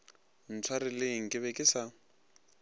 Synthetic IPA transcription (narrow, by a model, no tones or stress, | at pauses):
n̩t͡sʰwaɾɪlɪŋ̩kʼɪβɛkʼɪsa